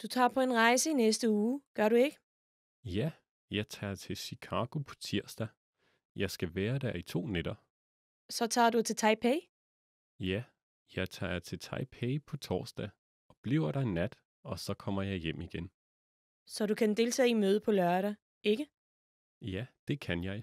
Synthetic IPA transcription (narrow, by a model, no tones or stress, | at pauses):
d̥ut͡sʰɑ̰̈ːpʰɒ̽e̝nʁɑ̈ɪsəinesd̥əuːɡ̥ɶɐɾue̝ɡ̥ə | jæ | jɑ̈ɪt͡sʰɑ̰̈ːt͡sʰe̝lɕikʰɑ̈ːɡ̥o̝pʰɒ̥̽t͡sʰiɐ̰sd̥æ | jʔɑ̈ɪsɡ̥æʋæːɐd̥æɐit͡sʰo̝̰ːned̥ɐ | sɒ̽t͡sʰɑ̰̈ːdut͡sʰe̝t͡sʰɑ̈ɪpʰɛɪ | jæ | jɑ̈ɪt͡sʰɑ̰̈ːt͡sʰe̝lt͡sʰɑ̈ɪpʰɛɪpʰɒ̽t͡sʰɒ̰ːsd̥ɛ̰ | ɒ̽b̥liʊɐɾ̥ɑ̈enæd̥ | ɒ̽sɒ̽kʰɒ̽m̰ɐjɑ̈ɪjem̰iɡ̥en | sɒ̽ɾukʰænd̥e̝lt͡sʰɛ̰ːinmøːð̞̩ˠəpʰɒ̽lɶɐɾæ | ʔe̝ɡ̥ə | jæd̥e̝kʰænjɑ̈ɪ